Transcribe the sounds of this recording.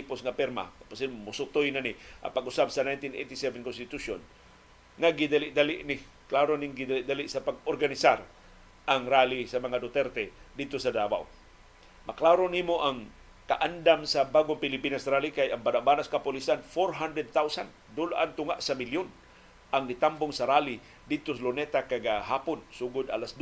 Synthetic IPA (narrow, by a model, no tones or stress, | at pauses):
t̪ipʊsŋapɛɾma̰kḁpʊsɪnmʊsʊt̪ojnanɪʔa̰ŋpaɡʔʊsabsanajnt̪inʔḛt̪ɪsɛvɛnkʊnst̪ɪt̪uʃon | ŋaɡɪd̪alɪʔd̪alɪʔnɪ | klaɾonɪŋɡɪd̪alɪʔd̪alɪʔsapaɡ̚orɡanɪsaɾ | ʔaŋɾalisamaŋad̪ʊt̪ɛɾt̪ɛd̪ɪd̪̚t̪osad̪awa̰w | maklaɾonimoʔaŋ | kaʔand̪amsabaɡʊŋpɪlɪpinasɾalikajaŋbanaʔbanaskapʊlisanfoɾɦand̪ɾɛd̪̚t̪awsan | d̪ʊlʔant̪ʊŋaʔsamiljʊn | ʔaŋnit̪ambʊŋsaɾali | d̪ɪd̪̚t̪ʊslʊnɛt̪akaɡaɦapʊnsuɡʊd̪a̰lasd̪